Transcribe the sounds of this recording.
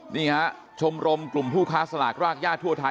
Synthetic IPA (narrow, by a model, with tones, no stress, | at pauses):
niː˥˩kʰa˦˥ | t͡ɕʰo˧mɾo˧mklu˨˩mpʰuː˥˩kʰaː˦˥sa˧la̰ː˨˩k̚ɾaː˥˩k̚jaː˥˩t̪ʰːu˥˩ɐt̪ʰa˧